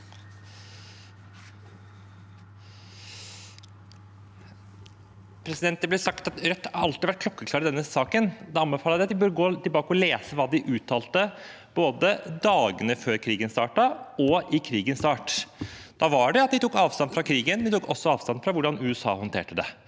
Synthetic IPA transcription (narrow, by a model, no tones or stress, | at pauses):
pʰɾɛsɪd̪ɛnt̪əblɛsɑkt̪ɑt̪ɾœt̪ːɑɾɑlt̪ɪʋæʈ̚kʰlɔkːəkʰlɑːɾɪd̪ɛnːəsɑːkənd̪ɛɑnbɛfɑːləɾd̪ɛɑt̪̚d̪ɪbœɾəɡoːt̪ɪlbɑːkəɔleːsəʋɑːd̪ɪʔʉːt̪ʰːɑːlt̪ə | b̥oːd̪əd̪ɑːɡənəføːɾkʰɾiːɡənst̪ɑ̰ːʈɑɔɪkʰɾiːɡənst̪ɑːʈd̪̥ɑʋɑɖɛɑt̪̚d̪ɪt̪ʰuːkːɑːʋst̪ɑnfɾɑkʰɾiːɡənmnɪɛt̪ukɔsːɔɑːʋst̪ɑnfɾɑʋʊɖɑnʉːɛsɑ̰ːhɔnt̪ʰḛːʈəd̪ɛ